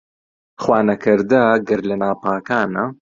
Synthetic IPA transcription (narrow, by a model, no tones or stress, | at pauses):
χwaːnɐkɨɾd̪ɐɡɐɾlɐnaːpʰaːkaːnɐ